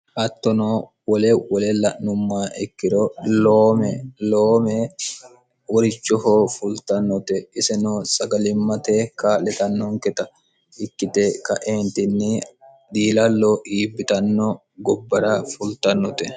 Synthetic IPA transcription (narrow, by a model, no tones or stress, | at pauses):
hɐt̪ːɔnoː | wɔlɛwɔlɛlɐʔnʊmːaːʔɛkːɪɾoloːmɛloːmɛ | wɔɾɪt͡ʃːɔɦoːfʊlt̪ɐnːʊt̪ɛɪsɛnoːsɐɡɐlɪmːɐt̪eːkaːlɛt̪ɐnːoŋkɛt̪ɐ | ɪkːɪt̪ekɐʔeːnt̪ɪnːɪ | d̪iːlɐlːoːʔiːbːɪt̪ɐnːo | ɡɔbːɐɾafʊlt̪ɐnːʊt̪ɛ